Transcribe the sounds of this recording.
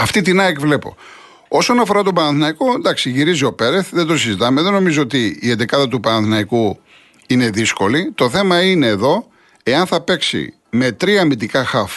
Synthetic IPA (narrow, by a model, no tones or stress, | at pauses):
ɐft̪it̪inɐekvle̞po̞̰ | o̞so̞nɐfo̞ɾɐt̪obɐnɐθinɐikond̪ɐksiʝiɾizio̞pe̞ɾeθðe̞d̪osizit̪ɐmeðe̞no̞mizo̞ot̪iːend̪ekɐðɐt̪̬upɐnɐnθnɐiku | ine̞ðisko̞lit̪o̞θe̞mɐine̞ːðo̞ | e̞ɐnθɐpe̞ksḭ | me̞t̪ɾiɐmid̪ikɐxɐf